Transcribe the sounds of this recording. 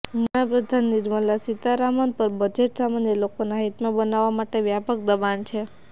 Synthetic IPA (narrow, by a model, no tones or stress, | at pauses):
məɽapɾəd̪ʱanːɪɾməlːasit̪aɾamanpəɾbəd͡ʒeʈsamanjəlokonaɦit̪mãbənaʋːamaʈeʋjapək̚d̪əbant͡ʃʰe